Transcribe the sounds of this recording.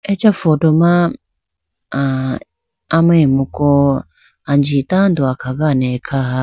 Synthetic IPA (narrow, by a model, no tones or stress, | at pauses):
ɛt͡ʃafɔtɔma | amamukɔ | and͡ʒitand̪oakaɡanɛkʰaɦa